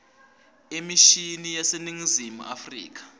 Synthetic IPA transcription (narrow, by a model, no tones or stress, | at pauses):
emiʃinijaseniŋizimṵʔa̰frḭːk̬ḁ